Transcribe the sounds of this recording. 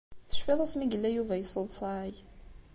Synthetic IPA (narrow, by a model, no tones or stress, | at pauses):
θə̥ʃfiðˤæsmiɡəlːæjuvæjəsˤːəðˤsˤɑɾaj